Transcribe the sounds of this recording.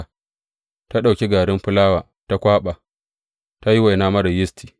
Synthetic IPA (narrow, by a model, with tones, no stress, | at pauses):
ta˦ɗa˨wkʲe˦ɡaː˨ɾɪ˦mɸɪ˦laː˦waː˨ | ta˦kʷaː˦ɓaː˨ | ta˦ji˦wa˨jnaː˦mɐ˦ɽɐ˨jɪ˦stʰi̥ː˨